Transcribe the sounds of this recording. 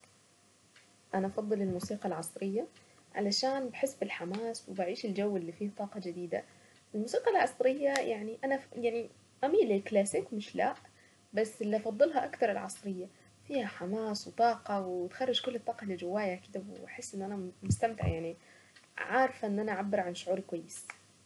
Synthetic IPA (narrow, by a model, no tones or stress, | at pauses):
ʔanaʔɑfɑd̪ˤːɨlɪlmuːsiːqɑlʕɑsˤɾɪjːaʕa̰laʃaːnbaħɪsːbɪlħamaːswɪbaʕiːʃɪld͡ʒawːɪlːifiːht̪ˤɑːqɑd͡ʒɪd̪iːd̪a̰ | ʔɪlmuːsiːqɑlʕɑ̰sˤɾɪjːajaʕniʔanajaʕni | ʔamiːliklaːsɪkmɪʃla̰ʔ | basːɪlːiʔɑfɑd̪ˤːɨlɦɑʔakt̪ɑɾˤɪlʕɑ̰sˤɾɪjːa | fiːhaħamaːswɪt̪ˤɑːqɑwɪt̪xɑrˤːɑd͡ʒkʊlːɪt̪ˤːɑːqɑlɪd͡ʒɪwːaːjakɪd̪awbħɪsːʔɪnːʔanamʊst̪amt̪ɪ̰ʕjaʕni | ʕɑːɾˤfʔɪnːʔanaʕabːɪɾˤʕanʃʊʕuːɾkwajːɪs